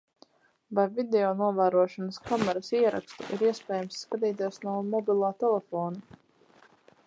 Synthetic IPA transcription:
vajvid̪ɛɔːnuɔvæːɾuɔʃɔnəskamɛɾasiɛɾa̰kst̪ṵʔiɾiɛspʲɛːjamsːkat̪̬iːt̪̬iɛsnuɔmɔbʲilˠaːt̪ɛlɛfɔːna

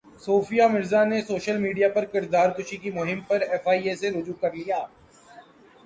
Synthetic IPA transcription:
soːfijamɪɾzanesoːʃəlmiːɖijapɐɾkɪɾd̪aːɾkʊʃikimʊɦɪmpɐɾɛːfaːieseɾʊd͡ʒuːkɐɾlijaː

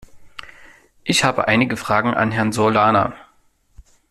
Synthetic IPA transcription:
ʔɪçhaːbə̰ʔaɪnɪɡəfʁ̥aːɡŋ̩ʔa̰nɦɛɐnzolaːna̰ː

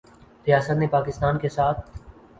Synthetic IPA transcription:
ɾɪjaːsət̪nẽpaːkɪst̪aːnkʰesaːt̪ʰ

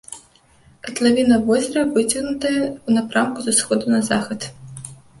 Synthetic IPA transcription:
ɐt̪lˠɐʋʲinɐʋɔzʲɐɾɐʋɪtʲɐɣnʊt̪ɐjunɐpɾɑmkʊzɐsxɔd̪ʊnɐzɑxɐd̪

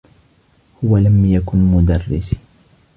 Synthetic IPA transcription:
hʊwalamjakʊnmʊd̪ɑrːɪs

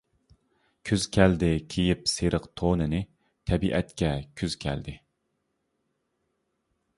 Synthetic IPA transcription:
kʲʰyz̥kʲʰɛld̪ɪkʲʰejipseɾʔəqt̪ʰonɨnɪ | t̪ʰɛbiʔɛt̪kʲɛkʲʰyz̥kʲʰɛ̰ld̪ɪ

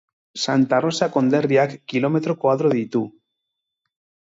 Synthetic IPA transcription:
sant̪arosako̞nd̪eɾjakːilomet̪ɾokwaðɾoðit̪u

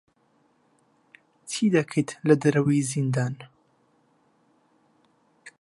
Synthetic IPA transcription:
t̪ʰiːd̪ɐkʰet̪lɐd̪ɐɾɐwiːzind̪aːn

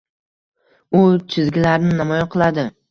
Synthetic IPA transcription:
ʊt͡ʃʰɪzɡʲɪlaɾnɪnamɒjaqʰɨlˠad̪ɪ

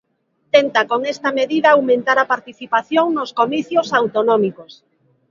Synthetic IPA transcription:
t̪ent̪akoŋɛst̪ɐmeðiðɐawmẽnt̪aɾɐpaɾt̪iθipaθjoŋnoskomiθjosawt̪onɔmikos

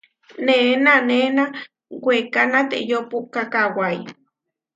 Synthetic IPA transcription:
nenanena | wʷekanat̪ḛʔjopuʔkakawaj

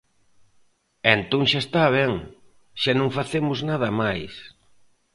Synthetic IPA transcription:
ent̪õŋʃaest̪aβ̞ɛŋ | ʃanõŋfaθemʊznað̞ɐmajs

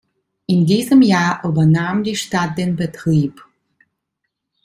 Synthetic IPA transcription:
ʔɪndiːzəmjaːʔyːbɐnaːmdiːʃtat̚d̥eːnbətʁ̥iːp

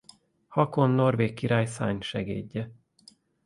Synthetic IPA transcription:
hɒko̞nːo̞rveːkːiɾaːjsa̰ːɲʃɛɡḛːɟːɛ

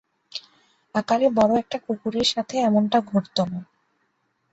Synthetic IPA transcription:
akalibɔɽoɛk̚ʈakukuɾeɾʃat̪ʰeɛmoɳʈaɡʱoɾt̪ona

